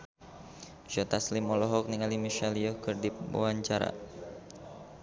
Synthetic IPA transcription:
ʃɔt̪aslimɔlɔɦɔk̚niŋalimiʃaliɔhkɨrdiba̰waɲt͡ʃaɾa̰

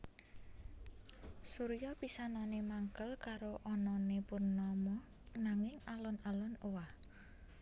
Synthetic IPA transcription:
suɾjɔpisananemaŋkəlkaɾoʔɔnɔnepʊnːɔmɔ | naŋɪŋalɔnalɔnowah

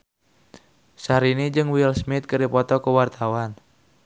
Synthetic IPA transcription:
saɾinid͡ʒɨŋwilsmɪt̪̚kəɾipɔt̪ɔkəwart̪awan

